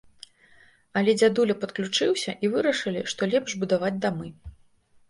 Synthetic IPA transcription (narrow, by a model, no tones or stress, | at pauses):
ɐlʲɛd͡zʲad̪ulʲɐpɐt̪klʲut͡ʂɨwsʲɐʔivɨɾɐʂɨlʲiʂt̪ɔlʲɛpʂbud̪avad͡zʲd̪amɨ